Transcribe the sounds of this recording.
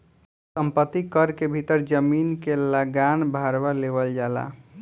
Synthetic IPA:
səmpət̪ːikəɾkebʱit̪əɾd͡ʒəminkeləɡanbʱaɾbaleβəld͡ʒala̰

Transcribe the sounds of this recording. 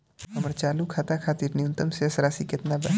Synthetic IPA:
əməɾt͡ʃaːlukʰaːt̪akʰaːt̪iːɾnijʊ̃nt̪əmsesɾaːsikɪt̪nabɛ

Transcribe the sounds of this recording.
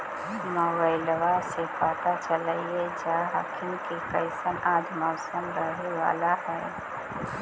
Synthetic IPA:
moːbaːɪlʋasepaːt̪at͡ʃəlaied͡ʒaːɦa̰kʰɪnkikɐɪsənaːd͡ʒmɔʊsəmɾəɦewa̰ːlaɦɛː

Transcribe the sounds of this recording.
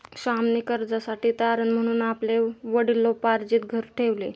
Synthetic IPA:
ɕamnikəɾd͡zasaʈiːt̪aɾənm̤əɽ̃uːnapleʋəɽilːɔpaɾd͡ʑiːt̪ɡʱəɾʈʰeʋle

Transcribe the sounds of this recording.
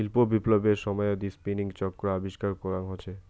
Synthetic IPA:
ilpobiplobeɾʃɔmɔeod̪ispiniŋt͡ɕɔkːɾaabiʃkaɾkɔɾaŋɦot͡ɕʰe

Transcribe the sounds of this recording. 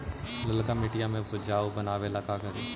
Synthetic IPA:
lɐlkamɪʈijamẽpʊd͡ʒaːubɐnaːʋelaːkakɐɾiː

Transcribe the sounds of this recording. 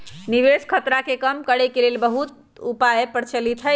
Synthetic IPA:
niʋeskʰət̪ɾakekəmkəɽɛkelelbəɦut̪ | upajpəɾt͡ʃəlit̪ʰɦə

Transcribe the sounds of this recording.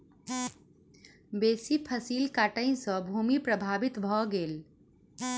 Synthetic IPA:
besipʰəsilkaʈə̃ɪ̃sə̃bʱumipɾəbʱabit̪bʱɔɡel

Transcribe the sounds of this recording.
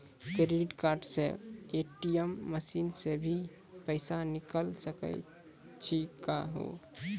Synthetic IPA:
kɾeɖiʈkaɾɖsḛ̃eʈijəmːəsinsebʱi | pəɪsanikəlsəkə̰ | t͡ʃʰikaɦo̰

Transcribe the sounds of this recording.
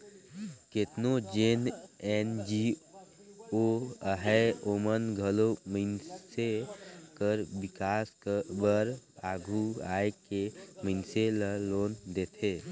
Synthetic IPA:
keːt̪nod͡ʒenend͡ʒi | oəɦɛoːmənɡʱəloməɪnsekəɾbɪkaːsbəɾaːɡʱuaːekeməɪnseləloːnd̪eːt̪ʰeː

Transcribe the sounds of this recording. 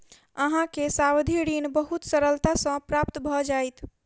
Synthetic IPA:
əɦãkesawd̪ʱiɽinbəɦut̪səɾəlt̪asə̃pɾap̚t̪bʱɔd͡ʒajt̪ʰ

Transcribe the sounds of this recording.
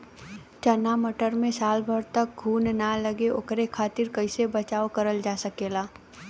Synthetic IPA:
t͡ʃənaməʈəɾmẽsaːlbʱəɾt̪ək̚ɡʱuːnnaləɡeʔokɾekʰaːt̪ɪɾkəɪsebət͡ʃaːokəɾəld͡ʒaːsəkeːlaː

